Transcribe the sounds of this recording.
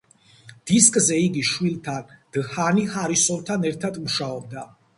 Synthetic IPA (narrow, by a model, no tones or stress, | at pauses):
d̪̥iskʼzɛiɡiʃwilˠt̪ʰand̪̥hanihaɾisɔvt̪ʰanɛɾt̪ʰad̪muʃaɔb̚d̪a